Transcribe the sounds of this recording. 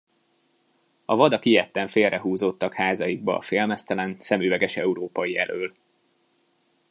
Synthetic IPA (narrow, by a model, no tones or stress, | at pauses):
ɒvɒd̪ɒkijɛt̪ːɛɱfeːlrʔɛɦuːzot̪ːɒkhaːzɒjiɡ̚bɒ̰ːfeːlmɛst̪ɛlɛnsɛmyːvɛɡɛʃɛuɾoːpɒjiɛ̰lʔøːl